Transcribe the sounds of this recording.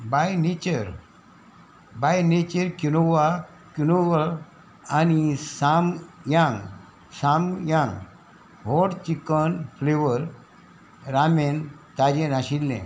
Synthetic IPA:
bajnet͡ɕəɾ | bajnet͡ɕəɾkunoʋa | kunoəl | anisamjãŋɡ | samjãŋɡ | ɦɔɽt͡ɕikənfleʋəɾ | ɾament̪ad͡ʑenaɕilːḛ̃

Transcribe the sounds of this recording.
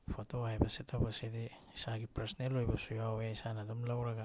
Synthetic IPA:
pʰotoajbasitobasidi | isaɡipɾesnelojbasujaweisanadomlawɾaɡa

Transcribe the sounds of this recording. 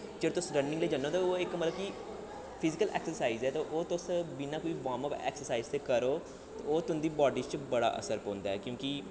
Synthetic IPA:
d͡ʒəɽt̪ʊsɾənːɪ̃ŋɡleːd͡ʒənːoːt̪aoːɪkmət̪ləb̚ki | pʰɪzɪkəlʔɛ̰ːksəɾsaːizɛːt̪oʔoːt̪ʊsbɪnãːkoːiːʋaːməpɛ̰ːksəɾsaːiːzt̪eːkəɾoː | t̪ːoːt̪ʊnd̪iːbɔːɖiːt͡ʃbəɽa̰ːʔə̰səɾpõːnd̪aːɛːkjõːki

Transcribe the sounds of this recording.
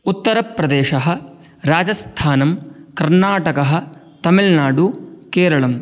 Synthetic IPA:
ut̪ːɐɾɐpɾɐd̪eːʃɐɦɐ̆ | ɾaːd͡ʒɐst̪ʰaːnɐmkɐɾnaːʈɐkɐɦɐ̆ | t̪ɐmilnaːɖukeːɾɐɭɐm

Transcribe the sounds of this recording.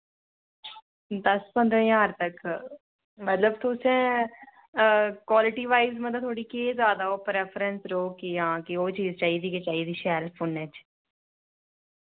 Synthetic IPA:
d̪əspə̃nd̪ɾə̃ːjaːɾt̪ək | mət̪ləbt̪ʰoːsɛ̃ː | kwaːlɪʈiːʋaːɪzmət̪lət̪ʰoːɽiːkeːzaːd̪aːoːpɾɛːpʰəɾənsɾoːkɪjãːkɪoːt͡ʃiːzt͡ʃaːiːd̪iːket͡ʃaːiːd̪iːʃɛːɾpʰoːnɛt͡ʃ

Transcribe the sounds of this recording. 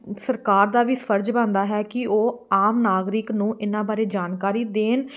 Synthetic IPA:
səɾkaːɾd̪aːʋiːspʰəɾd͡ʒbãːnd̪aːɦɛːkɪoːaːmnaːɡɾɪknũːʔɪnːãːbaːɾeːd͡ʒaːnkaːɾiːd̪eːn

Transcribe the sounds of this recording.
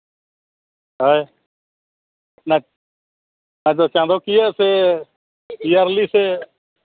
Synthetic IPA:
ɦəːe | nː | nãːd͡ʒoːt͡ʃãːnd̪oːkiːɛːseː | iːaɾliːseː

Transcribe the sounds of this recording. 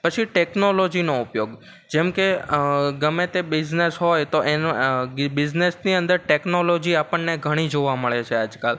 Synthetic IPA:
pət͡ʃʰiʈeknolod͡ʒinoʊpjoɡ | d͡ʒɛmkeɡəmẽt̪ebɪd͡ʒnesɦojt̪oʔenbɪd͡ʒnesniənd̪əɾʈeknolod͡ʒiapəɳneɡʱəɽ̃id͡ʒoʋaməɭet͡ʃʰead͡ʒkal

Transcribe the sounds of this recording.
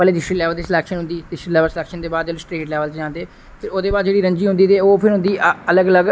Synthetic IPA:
əleːd̪ɪsʈiːlɛːʋəlt̪iːslɛːkʃənɦʊ̃nd̪iːd̪ɪsʈiːlɛːʋəlslɛːkʃənd̪eːbaːd̪d͡ʒeːlsʈɾeːʈlɛːʋəlt͡ʃd͡ʒãːnd̪eː | t̪eoːd̪eːbaːd̪d͡ʒeːɽiːɾə̃ɲd͡ʒiːɦʊnd̪iːt̪eːoːpʰɪɾɦʊ̃nd̪iːələɡələɡ

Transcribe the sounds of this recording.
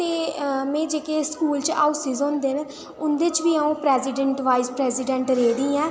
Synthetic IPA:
t̪eːmɛ̃ːd͡ʒeːkeːskuːlt͡ʃa̰ːʊsiːzõːnd̪eːn | ʊnd̪eːt͡ʃʋiːaːũːpɾɛːzɪɖəɳʈʋaːispɾɛːsɪɖɛ̃ɳʈɾeːd̪ĩːɛ̃ː

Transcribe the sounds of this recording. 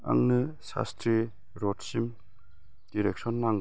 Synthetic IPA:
a̰ŋnɯsa̰stʰɾi | ɾɔtsim | d̥iɾek̚sɔnːaŋ

